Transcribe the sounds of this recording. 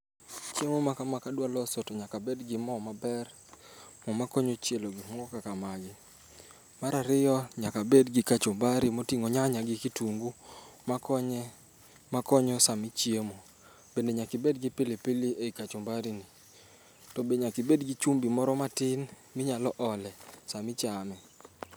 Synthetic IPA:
t͡ʃjemomakamakadwalɔsotoɲakabedɡɪmɔmabɛr | mɔmakɔɲot͡ʃjeloɡɪmɔɡɔkakamaɡɪ | maɾaɾɪjɔɲakabedɡɪkat͡ʃʊmbaɾimotiŋoɲaɲaɡɪkituŋɡumakɔɲɛ | makɔɲɔsamɪt͡ʃiemo | b̥endeɲakɪbedɡɪpilepiliʔeikat͡ʃʊmbaɾini | tɔbeɲakɪbedɡit͡ʃumbimɔɾɔmatɪn | mɪɲalɔʔɔlɛsamɪt͡ʃamɛ

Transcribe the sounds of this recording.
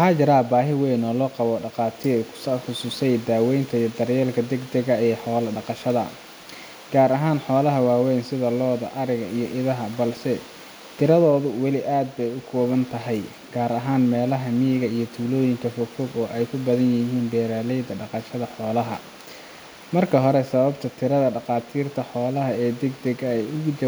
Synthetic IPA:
ħaːt͡ʃɐɾaːbaːɦɪwɛjnɔːlɔːqɑβɔːɖɑqɑːt̪ʰi̥sħʊsuːsɛjd̪aːwɛjnt̪ʰɐijɔd̪ɐrjɛːlkʰɐd̪ɛɡd̪ɐɣɐɛːħɔːlɐɖɑqɑʃɐðɐ̰ | ɡ̥aːɾɐɦaːnħɔːlɐɦɐwaːwɛnsɪðɐlɔːðɐ̰ʔɐɾɪɣɐijɔʔɪðɐɦɐbɐlsɛ | t̪ʰɪɾɐðɔːðʊwɑlɪʔaːd̪̚bɛjʊkʰɔːβɐnt̪ʰɐɦɛj | ɡ̥aːɾɐɦaːnmɛːlɐɦɐmijɣɐijɞt̪ʰuːlɔːjɪŋkʰɐfɔfɔɡɔːʔɛjkʰʊbɐðɐnjɪɦiːnɖɛːɾaːlɛjd̪ɐɖɑqɑʃɐðɐħɔːlɐɦɐ̰ | mɐrkʰɐɦɔɾɛsɐβɐbt̪ʰɐt̪ʰɪɾɐðɐɖɑqɑːt̪ʰiːrt̪ʰɐħɔːlɐɦɐɛːd̪ɛɡd̪ɛɣɐɛjʊɣʊt͡ʃɐ

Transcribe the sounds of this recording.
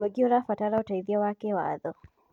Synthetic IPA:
ɛɡiɔɾafataɾautaiðiawakɛwa̰ðɔ

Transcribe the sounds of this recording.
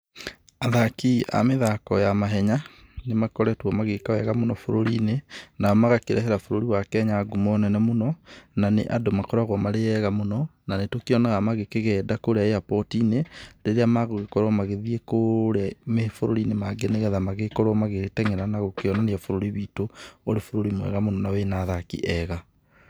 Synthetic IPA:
aðakia̰meðakɔjamaɦɛɲa | nemakɔɾɛtwɔmaɣekaɛɣamonɔfoɾoɾiːnenaɔmaɣakeɾɛɦɛɾafoɾoɾiwakɛɲaɡumɔnɛnɛmonɔnanḛʔadomakɔɾaɣwɔmaɾeɛɣamonɔnanetokeɔnɛɣamaɣekeɣɛːdakoɾeaeapɔtiːneɾeɾeamaɣoɣekɔɾwɔmaɣeðiekoɾamefoɾoɾinemaɡeneɣɛðamaɣekɔɾɔmaɣetɛŋɛɾanaɣokeɔnaneafoɾoɾiβitooɾefoɾoɾimowɛ̰ɣamonɔnawenaðakḭʔɛɣa

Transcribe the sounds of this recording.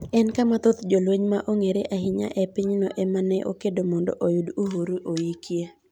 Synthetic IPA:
ɛnkamat̪ot̪d͡ʒolweɲmaʔoŋeɾeʔaɦɪɲa̰ʔɛpiɲnɔʔɛmanɛʔo̰kedomɔndɔ̰ʔojudoɦoɾuʔojikje

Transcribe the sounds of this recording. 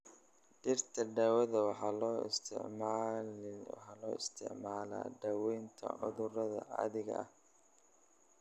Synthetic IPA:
ɖɪrt̪ʰɐɖaːwɐðɐwɑħɑlɔːst̪ʰɪ̰ʕm | wħɑːlɔːɪst̪ʰɪ̰ʕmaːla̰ːdaːwɛjnt̪ʰɐ̰ʕʊ̰ðʊrɐðɐ̰ɐ̰ðɪɣɐ̰ʔɐ̰h

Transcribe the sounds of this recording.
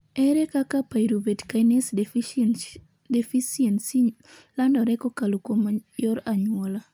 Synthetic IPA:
ɛɾɛkakapajɾubɛtkajnes | defisiensi | landɔɾɛkokalukomajɔɾaɲwɔla

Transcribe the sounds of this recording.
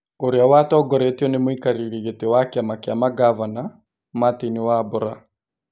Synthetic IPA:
oɾeawatɔːɡɔɾetiɔnemoikaɾiɾiɣetewakeamakeamaɡavana | mateniwaboɾa

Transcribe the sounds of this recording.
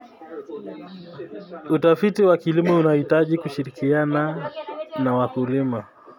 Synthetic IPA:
utafitiwakilimɔunahitaʄikuʃiɾikiana | nawakulima

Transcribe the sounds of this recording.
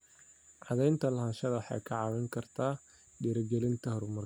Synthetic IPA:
ʕɑðɛjnt̪ʰɐlɐɦaːnʃɐðɐwħɑ̰jkʰɐʕɑwɛŋkʰɐrt̪ʰaː | ɖiɾɐɡɛlɪnt̪ʰɐhɾʊmɐr

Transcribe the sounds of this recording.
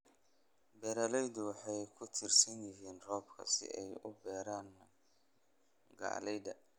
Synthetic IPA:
bɛːɾɐlɛjd̪ʊwɑħɑjkʰʊt̪ʰɪrsɐnjɪɦiːnrɔːb̚kʰɐ̰sɪ̰ʔɛjʊbɛːɾaːn | ɡa̰ːlɛjd̪ɐ

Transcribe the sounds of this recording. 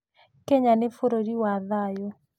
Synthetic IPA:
kɛɲanefoɾoɾiwaðajo

